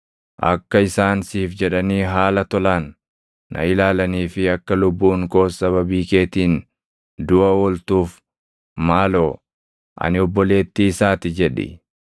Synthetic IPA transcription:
ʔɐ̰kːɐɪsaːnsiːfd͡ʒɛᶑɐniːɦaːlɐt̪ɔlaːnː | ɐ̰ɪlaːlɐniːfɪɐkːɐlʊbːuːŋko̞ːsɐβɐbiːke̞ːt̪iːn | d̪ʊʔɐwɔlt̪uːf | maːloː | ʔɐ̰nɪɔbːɔle̞ːt̪ːiːsaːt̪ɪd͡ʒɛᶑɪ̰

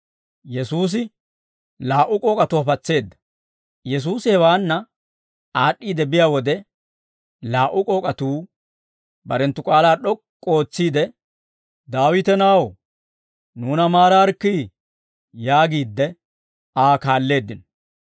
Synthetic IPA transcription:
jɛsuːs̬ɪ | laːʔʊkʼoːkʼɐt̪ʊɐpɐt͡sːe̞ːd̪ːɐ̥ | jɛs̬uːsɪhɛwaːnːɐ | aːɗːiːd̪ɛbɪjaːwɔd̪ɛ | laːʔʊkʼoːkʼɐt̪uː | bɐɾɛnt̪ːʊkʼaːlaːɗɔkʼːo̞ːt͡sːiːd̪ɛ | d̪aːwɪt̪ɛnaːw | nuːnɐmaːɾaɾkːiː | jaːɡiːd̪ːɛ | aːkaːlːe̞ːd̪ːɪn

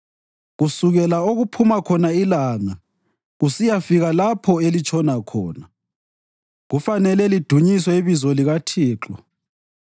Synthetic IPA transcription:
ɣusuɣɛlaoɣupʰumakʰɔnailaːŋa | ɣusijafiɣalapʰɔelit͡ʃʰʼɔnakʰɔ̰ːna | ɣufanɛlɛlid̥ʱuɲisɔiβizɔliɣatʰiːǁɔ

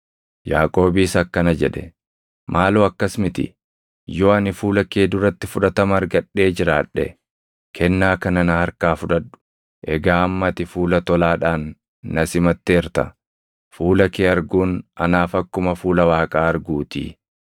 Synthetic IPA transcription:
jaːkʼo̞ːbiːsɐkːɐnɐd͡ʒɛᶑɛ̰ | mʔaːluːɐkːɐsmɪt̪ɪ̰ | jo̞ːɐnɪfuːlɐkeːd̪ʊɾɐt̪ːɪfʊᶑɐt̪ɐmɐɐɾɡɐᶑːe̞ːd͡ʒɪɾaːᶑːɛ̰ | kʰɛnːaːkɐnɐnɐhɐɾkaːfʊᶑɐᶑʊ̥ | ʔɛɡaːɐmːɐt̪ɪfuːlɐt̪ɔlaːᶑaːnː | ɐsɪmɐt̪ːeːɾt̪ɐ̰ | fuːlɐkeːɐɾɡuːnʔɐ̰naːfɐkːʊmɐfuːlɐwaːkʼaːɐɾɡuːt̪ḭː

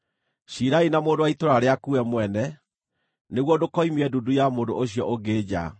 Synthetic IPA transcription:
ɕiɾainamoːndowaitoɾaɾeakuɛmwɛnɛ | neɣwɔdokɔimiɛdudujamoːndoʔoɕijɔʔoɡeːd͡ʑa̰

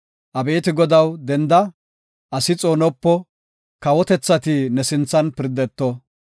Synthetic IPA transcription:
ʔɐbe̞ːt̪ɪɡɔd̪ɐwd̪ɛnd̪ɐ | ʔɐsɪt͡sʼoːnɔpːɔ | kɐwɔt̪ɛt͡sːɐt̪ɪnɛsɪnt͡sːɐnpɪɾd̪ɛt̪ːɔ

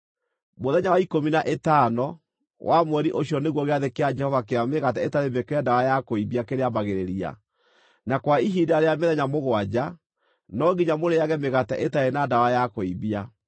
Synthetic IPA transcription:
moðɛɲawaikominaʔetaːnɔ | wamwɛɾiʔoɕiɔneɣwɔɣeaðekead͡ʒɛhɔvakeameɣatɛetaɾebekeandawajakoiβiakeɾeamaɣeɾeɾia̰ | nakwaiɦidaːɾeameðɛɲamoɣwad͡ʑa | nɔɣiɲamoɾeaɣɛmeɣatɛʔetaɾenadawajakoiβia

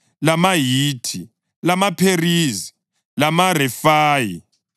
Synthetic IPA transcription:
lamajiːtʰi | lamapʰeriːzi̥ | lamarɛfaːjḭ

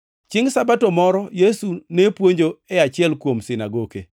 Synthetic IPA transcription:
t͡ʃɪŋsabatomɔɾɔjesunepwoɲd͡ʒoɛat͡ʃɪɛlkwomsɪnaɡoɡḛ

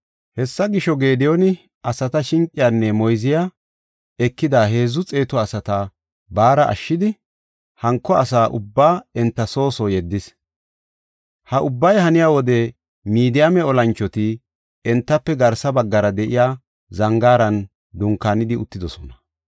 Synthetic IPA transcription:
hɛsːɐɡɪʃɔɡeːd̪ɪjɔnɪ | ʔɐsɐt̪ɐʃɪŋkʼːɪjaːnːɛmɔjzɪja | ɛkːɪd̪aːɦe̞ːzʊt͡sʼe̞ːt̪ɔɐsɐt̪a | baːɾɐʔɐ̰ʃːɪd̪ɪ | hɐŋkːɔɐsaːʔʊbːaːɛnt̪ːɐso̞ːsɔjɛd̪ːɪs | hɐʔʊbːɐjhɐnɪjaːwɔd̪ɛ | miːd̪ɪjamɛɔlɐnt͡ʃːɔt̪ɪ | ɛnt̪ːɐpːɛɡɐɾsɐbɐɡːɐɾɐd̪ɛʔɪjaː | zɐŋɡaːɾɐn | d̪ʊŋkːaːnɪd̪ɪʊt̪ːɪd̪ɔsɔnɐ̥

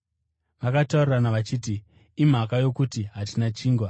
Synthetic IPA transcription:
ʋakatauriranaʋat͡ʃiːti | im̤akajo̞kutiɦatinat͡ʃiːŋɡwa

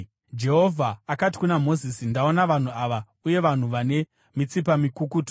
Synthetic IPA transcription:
d͡ʒe̞ɦo̞vʱaːkati̥kunamo̞zisindao̞naʋan̤uaʋa | uje̞ʋan̤uʋane̞ | mit͡sip̬amikukuto

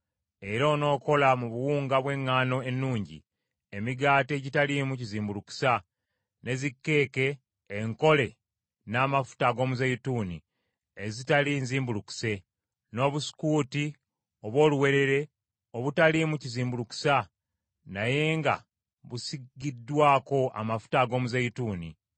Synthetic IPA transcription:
e̞ɾaono̞ːko̞lamuβuwuːŋɡaβwe̞ŋːaːno̞enːuːɲɟḭ | e̞miɡaːteɟitalimuciziːmbuluku̥sa | ne̞zikːe̞ːke̞ː | ŋko̞le̞ | naːmafu̥taɡo̞ːmuzejutunḭ | ezitaliːnziːmbuluku̥se̞ | no̞ːβusi̥kuːti | o̞βwo̞ːluwe̞ɾe̞ɾe̞ | o̞βutalimuciziːmbuluku̥sa | naje̞ːŋɡa̰ | βusiɡidːwaːko̞a̰mafu̥taɡo̞ːmuzejutuːnḭ

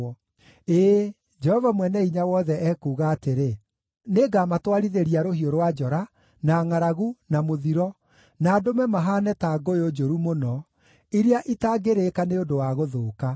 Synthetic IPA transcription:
eː | d͡ʒɛhɔvamwɛnɛiɲawɔðɛʔɛkuːɣaːteɾe | neɡamatwaɾiðeɾiaɾohioɾwad͡ʒɔɾa | naːŋaɾaɣunamoðiɾɔ | naːdomɛmaɦaːnɛtaɡoeod͡ʒoɾumonɔ | iɾeaʔitaɡeɾekaneodowaɣoðoːka

